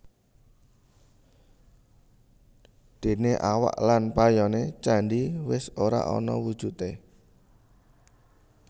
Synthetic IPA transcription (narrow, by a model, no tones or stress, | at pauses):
d̪̥e̤neʔawa̰ʔlanpajɔnet͡ʃaɳɖiwɪsoɾa̰ʔɔ̰nɔ̰wud̥ʒ̥ṳt̪e